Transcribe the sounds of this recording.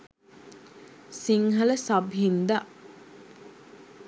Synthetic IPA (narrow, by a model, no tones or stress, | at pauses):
siŋɦɐlɐsɐbɦind̪aʔ